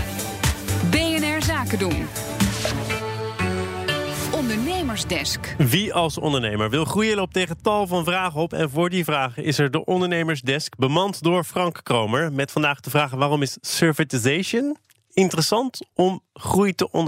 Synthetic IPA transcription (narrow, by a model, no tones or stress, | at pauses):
beɛnɛɹzaːkədun | ɔndəɹnejməɹzdɛskʋiɑlˠsɔ̰ndəɹnejməɹʋɪlˠχrujəlowp̚tejχətɑlˠvɑnvraːχəɔpɛ̰nvʊːɹdivraːχəʔɪsɛɹdəʔɔndəɹnejməɹzdɛskbəmɑntdʊːɹfrɑŋkːrowməɹmɛtfɑndaːχdəvraːχəʋaːrɔmɪssøɹvətizejʃən | ɪntərəsɑntɔmχrujtəʔɔn